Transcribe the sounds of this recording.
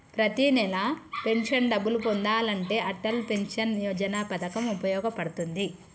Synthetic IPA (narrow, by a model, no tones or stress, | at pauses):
pɾɐt̪inɛlape̞nʂɐnɖɐbːulupond̪aːlɐɳʈe̞ːʔɐʈːɐlpe̞nʂɐnjɔːd͡ʒɐnaːpɐd̪ɐkɐmupɐjɔːɡɐpɐɽut̪und̪i